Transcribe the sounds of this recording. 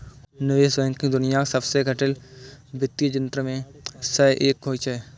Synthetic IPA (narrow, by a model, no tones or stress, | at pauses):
nəʋeːsʋẽːŋkĩd̪ʊnɪjasɐbseɡʱəʈɪlbɪt̪ːid͡ʒənt̪ɾəmẽsɐʔeːkːoːit͡ʃɐeː